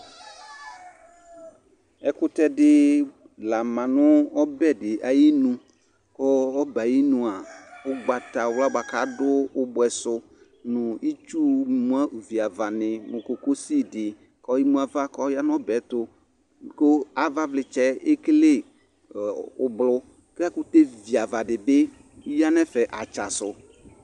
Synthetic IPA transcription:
ɛ˦kʊ˦t̪ɛ˦dɪ˦ | la˨mã˨nʊ̃˦ɔ˦bɛ˦dɪ˨ʔa˨ji˦nũ˦ | kɔ˦ɔ˦ba˨ji˦nũ˨a˨ʊ˦ɡ͡ba˨t̪a˨wla˦ɡ͡ba˨ka˨˦dʊ˦bʊ˨˦ɛ˨sʊ˦ | nʊ̃˨i˦t͡ʃu˦mũ˦a˦˨vi˨a˨va˨nɪ̃˨mʊ̃˨ko˨ko˦si˦dɪ˨ | kɔ˦ji˦mũ˦a˨va˦kɔ˦ja˦n˦ɔ˦bɛ˨˦t̪ʊ˦ | ko˦a˨va˦vlɪ˨t͡ʃɛ˦e˦kle˦ | ʊ˨blʊ˦ | ke˦a˦kʊ˦t̪e˦vi˨a˨va˨ɖɪ˨bɪ˦ | ja˦nɛ˦fɛ˨ʔa˨t͡ʃa˨sʊ˨

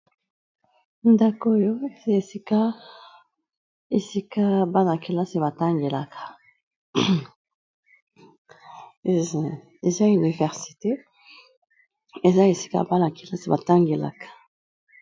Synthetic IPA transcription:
nda˦ko˦jo˦˨˦e˨si˦ka˦ | e˨si˦ka˦˨ba˦na˨ki˨la˦si˨ba˨ta˦ŋɡe˨la˨kʰḁ˨ | e˨za˦y˨ni˨vɛ˨ʁsi̥˨te˦ | e˨za˦e˨si̥˦ka̰˦˨ba˦na˨ki˨la˦si˨ba˨ta˦ŋɡe˨la̰˨kḁ˨

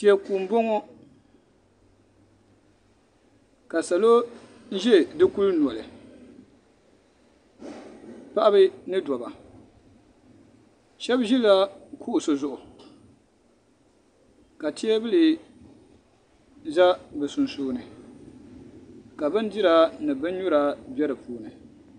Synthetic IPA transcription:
ti˨˦ɛ˦ku˨m̩˦bo˦ŋɔ˦ | ka˨sa˨lo˦ | n̩˦ʒɛ˦˨dɨ˦ku˦ln˨ɔ˨lɨ̰˨ | pa˦ʔa˦bɨ˦nɨ˦dɔ˨ba̰˨ | ʃɛ˦bʒi˦la˦kʰu˦ʔʊ˨sɨ˨zʊ˦ʔʊ˨ | ka˨tʰi˦ɛ˦bɨ˦li˨ | za˦bɨ˨su˨nsuː˨nɨ˨ | ka˨bɨ˦n˦di˦ɾa˦nɨ˨bɨ˦n˦ɲu˦ɾa˦bɛ˦ɾɨ˨puː˦nɨ˨

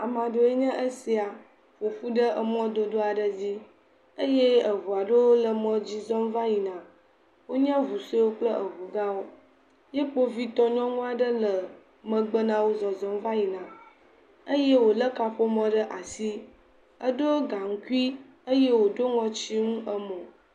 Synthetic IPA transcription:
a˨mã˨ɖo˨e˦ɲɛ̃˦ʔə˦si˨˦a˨ | ɸo˨ɸu˦ɖə˦ʔə˨mɔ̃˦d̪o˨d̪o˦a˨ɖə˦d͡ʑi˦ | ə˦je˦ə˨ɦu˨a˨ɖo˦wo˦lə˨mɔ̃˦d͡ʑi˦zɔ̃˦mva˦ji˨nã˨ | wo˦ɲɛ̃˦vu˨se˦wo˦k͡plə˦ʔə˨ɦu˨ɡa˦wo˦ | je˦k͡po˦vi˦t̪ɔ˦ɲɔ̃˦ŋũ˦a˨ɖə˦lə˨ | mə̃˨ɡ͡bə˦nã˦wo˦zɔ˨zɔ˦mva˦ji˨nã˨ | ə˦je˦wo˨lə˦ka˨ɸo˦mɔ̃˦ɖə˦ʔa˨si˦ | ə˦ɖo˦ɡa˨ŋ̩˦ku˦i˦ | ə˦je˦wo˨ɖo˦ŋɔ̃˨t͡ɕi˦ŋũ˦ʔə˦mɔ̃˨

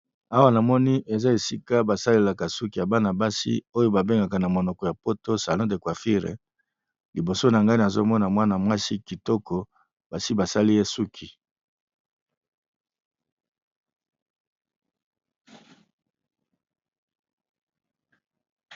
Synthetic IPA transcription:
a˦wa˦na˨mɔ˦ni˦ʔe˨za˦e˨si˦ka˦ba˨sa˦le˦la˨ka˨su˦ki˨ja˨ba˦na˨ba˦sḭ˦o˦jo˦ba˨be˦ŋɡa˨ka˨na˨mo˨nɔ˨kɔ˨ja˨po˦to˦sa˨lɔ̃˦de˨kwa˨fi˦ʁḛ˨ | li˨bo˨so˦na˨ŋɡa˦ni˨a˨zo˦mɔ˦na˨mwa˦na˨mwa˦si˦ki˨tɔ˦kɔ˨ | b̥a˨si˦ba˨sa˦li˦je˦su˦kʰi˨

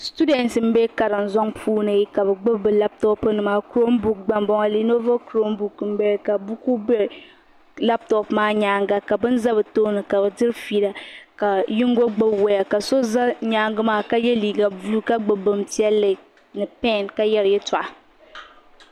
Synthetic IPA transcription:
stu˦dɛ˨ntɨ˨m̩˦bɛ˦ka˨ɾɨ˨n˨zɔ˦ŋpʰuː˦nɨ˨i˦ka˨bɨ˨ɡ͡bɨ˦bɨ˨la˦p̚tɔ˦pɨ˦nɨ˨maː˦ku˦ɾo˦mbu˨k̚ɡ͡ba˨mbɔ˦ŋa˦li˦no˦vo˦kɾo˦mbu˨km̩˦bɛ˦ɾka˨bu˦ku˦bɛ˦ | la˦p̚tɔ˨pmaː˦ɲaː˦ŋɡa˦ka˨bɨ˦n˦za˦bɨ˨to˦nɨ˨ka˨bɨ˨dɨ˦ɾfi˨ɾa˨ka˨jɪ˦ŋ˦ɡo˦ɡ͡bɨ˦wɛ˨ja˨ka˨so˦za˦ɲaː˦ŋɡɨ˦maː˦ka˦jɛ˦liː˨ɡa˨bu˦u˦ka˦ɡ͡bɨ˨bɨ˨mti˦ɛ˦lːɨ˨ | nɨ˨pɛ˦˨nka˦jɛ˦ɾjɛ˦tʊ˨ʔa˨

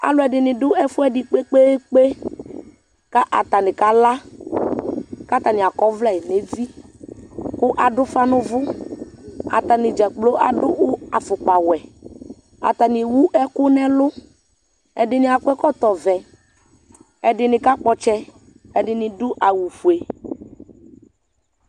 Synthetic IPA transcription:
a̰˨lʊ˦ɛ˨dɪ˨nɪ̃˨dʊ˦ɛ˦fʊ˦ɛ˦dɪ˨k͡pe˦k͡pe˦k͡pe˦ | ka˦ʔa˨t̪a˨nɪ̃˨ka˦la˦ | ka˦t̪a˨nɪ˨a˨kɔ˦vlɛ˨ne˨˦vi˦ | kʊ˦ʔa˨dʊ˦fa˦nʊ̃˦vʊ˦ | a̰˨t̪a˨nɪ˨d͡ʒɛ˨k͡plo˦ʔa̰˨dʊ˦wʊ˦a˨fʊ˨k͡pa˨wɛ˨ | a̰˨t̪a˨nɪ˨wu˦ʔɛ˦kʊ˦nɛ̃˦lʊ˦ | ɛ˨dɪ˨nɪ̃˨a˨kɛ˦kɔ˦t̪ɔ˨vɛ˨ | ɛ˦dɪ˨nɪ̃˨ka˦k͡pɔ˦t͡ʃɛ˦ | ɛ˦ɖɪ˨nɪ̃˨dʊ˦ʔa˨wu˨fu˨e˨

